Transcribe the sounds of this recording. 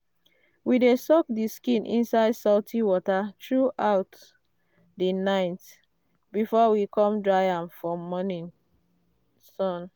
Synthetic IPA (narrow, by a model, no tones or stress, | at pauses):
widesɔk̚diskĩnʔḭ̃nsaɪdsɔltʰiwɔtatɹuʔaʊt | dinaɪt | bifɔwikʰɔ̃mdɹaɪãmfɔmɔnĩn | sɔ̃n